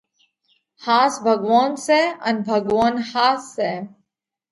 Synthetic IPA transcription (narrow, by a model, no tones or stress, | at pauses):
haːsbʱɐɡʋaːnseɐnbʱɐɡʋaːnhaːsːe